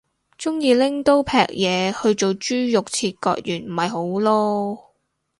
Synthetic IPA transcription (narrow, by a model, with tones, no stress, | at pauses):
t͡sʊ˥ŋjiː˨˧lɪ˥ŋt̪o˥wpʰɛ̰ː˨k̚jɛː˨˧hɵ˧ɥt͡ʃo˨wt͡ʃyː˥jʊ˨k̚t͡sʰiː˧t̚kɔ̰ː˧k̚jyː˨˩nm̩˨˩hɐ˨jɦo˨˥wlɔː˥